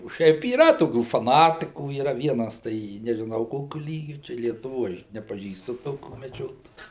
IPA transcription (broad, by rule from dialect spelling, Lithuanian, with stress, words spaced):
oː ˈʃʲɛɪp iːˈrɐ toːˈkʲuː fɐˈnɑːtʲɪkuː iːˈrɐ ˈʋʲiɛnɐs tɐɪ nʲɛʒʲɪˈnɐʊ ˈkoːkʲʊ ˈlʲiːɡʲʊ tɐɪ lʲiɛtʊˈʋoː ˈɐʃ nʲɛpɐˈʒʲiːstʊ ˈtoːkʲuː mʲɛˈd͡ʒʲoːtoːjuː